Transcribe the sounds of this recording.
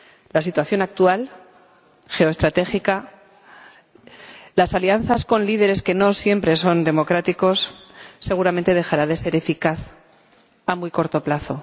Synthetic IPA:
lasit̪waθjo̞nak̚t̪ual | xe̞oest̪ɾat̪e̞xika | lasalian̟θasko̞nliðe̞ɾe̞ske̞no̞sje̞mpɾe̞so̞nd̪e̞mo̞kɾat̪iko̞sːe̞ɣ̞uɾament̪e̞ðe̞xaɾaðe̞se̞ɾe̞fikaθ | amujko̞ɾt̪o̞plaθo̞

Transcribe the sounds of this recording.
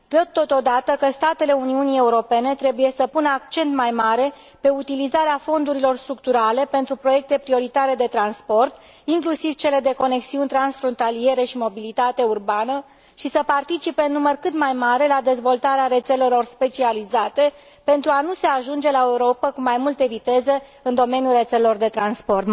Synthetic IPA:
d̪ət̪̚t̪ːo̞t̪o̞d̪at̪əkəst̪at̪e̞le̞uniunie̞uɾo̞pe̞ne̞t̪ɾe̞buje̞səpunəakt͡ʃe̞nt̪majmaɾe̞ | pe̞ut̪ilizaɾeafo̞nd̪uɾilo̞rst̪ɾuk̚t̪uɾale̞pe̞nt̪ɾupɾo̞je̞k̚t̪e̞pɾio̞ɾit̪aɾe̞d̪e̞t̪ɾanspo̞rt̪ | iŋklusiv̥t͡ʃe̞le̞d̪e̞ko̞ne̞ksiunʲt̪ɾansfɾo̞nt̪alie̞ɾe̞ʃimo̞bilit̪at̪e̞urbanə | ʃisəpart̪it͡ʃipe̞ɨnːumərkɨt̪majmaɾe̞lad̪e̞zvo̞lt̪aɾeaɾe̞t̪se̞le̞lo̞rspe̞t͡ʃializat̪e̞ | pe̞nt̪ɾuanuse̞aʒund͡ʒe̞lae̞uɾo̞pəkumajmult̪e̞vit̪e̞ze̞ | ɨnd̪o̞me̞nijulre̞t̪selelo̞rd̪e̞t̪ɾanspo̞rt̪

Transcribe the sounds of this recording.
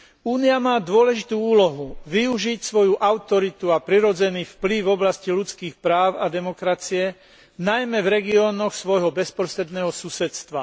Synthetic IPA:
uːniamaːd̪ʊɔlɛʒit̪uːuːlɔɦuʋiuʒicsʋɔjuʔaʊt̪ɔɾit̪uapɾiɾɔd͡zɛniːfplivɔblascilut͡skiːxpɾaːʊad̪ɛmɔkɾat͡siɛ | najmɛvɾɛɡiɔːnɔxsʋɔjɦɔbɛspɾɔsɾɛd̪nɛːɦɔsusɛt̪st̪ʋa̰

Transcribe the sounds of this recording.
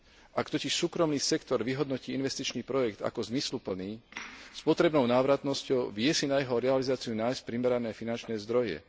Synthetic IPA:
ʔakt̪ɔcɛʃsuːkɾɔmniːsɛkt̪ɔɾʋiɦɔd̪nɔciːinʋɛst̪it͡ʃniːpɾɔjɛkt̪a̰kɔzmislupl̩niːspɔt̪ɾɛbnɔʊnaːʋɾat̪nɔscɔʊʋɪɛsinajɛɦɔɾɛalizaːt͡siunaːjsc̚pɾimɛɾanɛːfinant͡ʃnɛːzd̪ɾɔjɛ̰

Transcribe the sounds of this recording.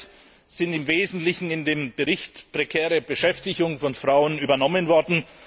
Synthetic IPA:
z̥ɪntɪmveːzn̩tlɪçn̩ɪndeːmbəʁɪçtpʁ̥ekʰɛːʁəbəʃɛftɪçʊŋfɔnfʁ̥aʊənyːbɐnɔmənvɔɐdn̩

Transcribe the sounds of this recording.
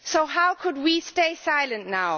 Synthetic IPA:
soʊɦaʊkʰʊd̚wisteɪsaɪlə̃nnaʊ

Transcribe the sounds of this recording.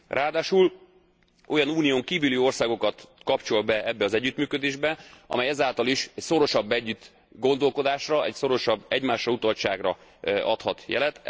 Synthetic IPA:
rʔaːd̪aːʃul | o̞jɒnuːnijoːŋkiːvyliːo̞rsaːɡo̞kɒt̪kɒpt͡ʃo̞lbɛʔɛbːɛɒzɛɟːyt̪myːkød̪eːʒbɛʔɒ̰mɛjɛzaːlt̪ɒliʃɛcsoɾo̞ʃɒbːɛɟːyt̪ | ɡo̞nd̪o̞lko̞d̪aːʃrɒʔɛcso̞ɾo̞ʃɒbːɛɟmaːʃrɒut̪ɒlt͡ʃa̰ːɡrɒɒt̪hɒt̪jɛ̰lɛt̪

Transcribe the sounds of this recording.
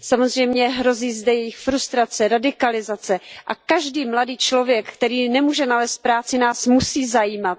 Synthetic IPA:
samo̞zr̝ɛjmɲɛɦɾo̞ziːzdɛjɛjɪxfɾust̪ɾat͡sɛɾadɪkalɪzat͡sɛʔakaʒdiːmladiːt͡ʃlo̞vjɛkkt̪ɛɾiːnɛmuːʒɛnalɛːst̪̚pɾaːt͡sɪnaːsmusiːzajiːmat̪̚

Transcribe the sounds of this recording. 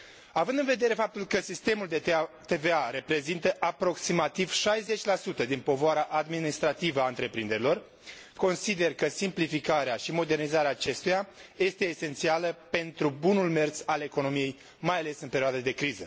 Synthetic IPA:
avɨnd̪ɨnve̞d̪e̞ɾe̞fap̚t̪ulkəsist̪e̞muld̪et̪e̞veaɾe̞pɾe̞zint̪əʔapɾo̞ksimat̪iv̥ʃajze̞t͡ʃʲlasut̪əd̪inpo̞voaɾaʔad̪minist̪ɾat̪ivəaɨnt̪ɾe̞pɾind̪e̞ɾilo̞r | ko̞nsid̪e̞rkəsimplifikaɾeaʃimo̞d̪e̞rnizaɾeaːt͡ʃe̞st̪ujaje̞st̪e̞ːse̞nt̪sialəpe̞nt̪ɾubunulme̞rt̪sale̞kono̞mije̞j | majale̞sɨnpe̞ɾioad̪əd̪e̞kɾizə

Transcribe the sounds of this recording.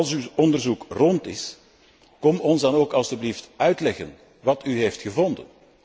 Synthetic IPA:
ɑlˠsyɔndərzukrɔntɪs | kɔmɔnzdɑnoːkɑlˠsybliftœɥtlɛɣən | ʋɑtyɦeːftxəvɔndə̰n

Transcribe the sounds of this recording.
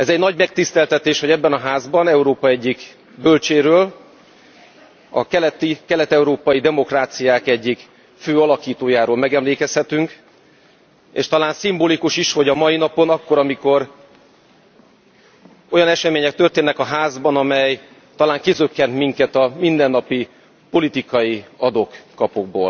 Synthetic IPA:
ɛzɛɟnɒɟmɛk̚t̪ist̪ɛlt̪ɛt̪eːʃhoɟɛbːɛnɒɦaːzbɒnɛuɾoːpɒɛɟːik | bølt͡ʃeːɾøːl | ɒ̰kɛlɛt̪ikɛlɛt̪ɛuɾoːpɒjid̪ɛmo̞kraːt̪sijaːkɛɟːik | føːɒlɒkiːt̪oːjaːɾoːlmɛɡɛmleːkɛshɛt̪yŋk | ḛːʃt̪ɒlaːnsimboːlikuʃiʃho̞ɟɒmɒjinɒpo̞nɒkːo̞ɾɒmiko̞r | o̞jɒnɛʃɛmeːɲɛk̚t̪ørt̪eːnːɛkɒɦaːzbɒnɒmɛj | t̪ɒlaːŋkizøkːɛnt̪miŋkɛt̪ɒmind̪ɛnːɒpi | po̞lit̪ikɒjiɒd̪okːɒpoɡ̚bo̰ːl

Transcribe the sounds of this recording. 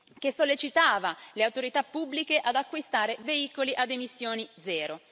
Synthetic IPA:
k̟esolːet͡ʃit̪aːvaleawt̪oɾit̪apːubːlikeʔad̪akːwist̪aːɾeveiːkoliʔad̪emisːjoːnid̪zɛːɾo

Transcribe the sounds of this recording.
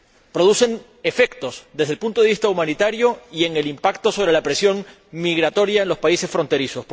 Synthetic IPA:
pɾo̞ðuse̞n | e̞fe̞kt̪o̞sðezðelpunt̪o̞ð̞e̞βist̪aumãnit̪aɾjo̞ie̞ŋe̞limpakt̪o̞soβɾe̞lapɾe̞sjo̞ŋ | miɣɾat̪o̞ɾjaenlo̞spaise̞sfɾo̞nt̪e̞ɾiso̞s

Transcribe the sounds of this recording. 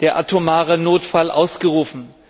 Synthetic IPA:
d̥eːɐʔatʰomaːʁənoːtfalʔa̰ʊsɡ̥əʁuːfn̩

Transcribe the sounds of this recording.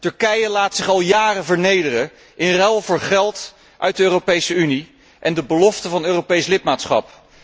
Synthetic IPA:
tɵɹkɛjəlaːtsɪχɑlˠjaːrəvəɹnejdərə | ʔɪnrɛlˠvʊːɹχɛlˠt | ʔœ̰ɥt̚dəøːropejsəyni | ʔɛndəbəlɔftəvɑnøːrowpejslɪt̚maːtsχɑ̰p

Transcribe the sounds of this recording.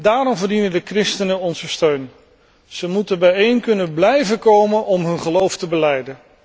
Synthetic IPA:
daːɾɔmvəɹdinəndəkrɪstənənɔnzəstøɥn | z̥əmutəbɛjejnkɵnənblɛjvəkowmənɔmɦɵnχəlowftəbəlɛjdən

